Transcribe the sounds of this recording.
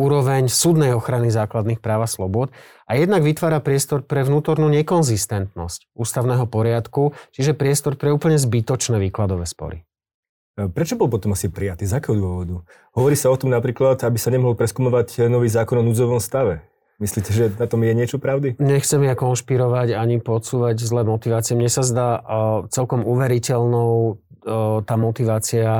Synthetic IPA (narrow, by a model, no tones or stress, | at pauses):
uːɾɔʋɛɲsud̪nɛjɔxɾanizaːklad̪niːxpɾaːʊaslɔbʊɔd̪ | ʔajɛd̪naɡʋit̪ʋaːɾapɾɪɛst̪ɔɾpɾɛʋnuːt̪ɔɾnuɲɛkɔnzist̪ɛnt̪nɔscuːst̪aʊnɛːɦɔpɔɾɪat̪kut͡ʃiʒɛpɾɪɛst̪ɔɾpɾɛuːpəɲɛzbit̪ɔt͡ʃnɛːʋiːklad̪ɔʋɛːspɔ̰ɾḭ | pɾɛt͡ʃɔbɔlpɔt̪ɔmasipɾijat̪iːzakɛːɦɔd̪ʊɔʋɔd̪u | ɦɔʋɔɾiːsaɔt̪ɔmnapɾiːklat̪abisaɲɛmɔɦɔlpɾɛskumɔʋaɟnɔʋiːzaːkɔnɔnud͡zɔʋɔmst̪aʋɛ | misliːcɛʒɛnat̪ɔmjɛɲɪɛt͡ʃɔpɾaʊd̪iɲɛxt͡sɛmjakɔnʃpiɾɔʋaɟaɲipɔt͡suːʋaɟzlɛːmɔt̪iʋaːt͡siɛmɲɛsazd̪aːt͡sɛlkɔmuʋɛɾicɛlnɔʊ | t̪aːmɔt̪iʋaːt͡sia